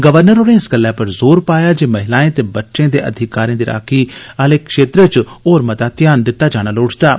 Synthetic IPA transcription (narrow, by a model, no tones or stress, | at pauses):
ɡəʋəɾnəɾoːnẽːɪsɡəlːɛːpəɾzoːɾpaːjaːd͡ʒeːməɦɪlaːẽːt̪eːbətːʃẽːd̪eːʔə̰d̪ʱɪkaːɾiãːd̪iːɾʔa̰ːkʰiːəleːkʰʃeːt̪ɾət͡ʃoːɾmət̪aːt̪ɪjaːnd̪ɪt̪ːaːd͡ʒaːɽ̃aːloːʈʰt̪aː